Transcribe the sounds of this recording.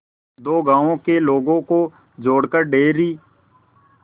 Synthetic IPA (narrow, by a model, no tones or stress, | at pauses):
d̪oːɡãːõːkeloːɡõːkoː | d͡ʒoːɽkəɾɖeːɾiː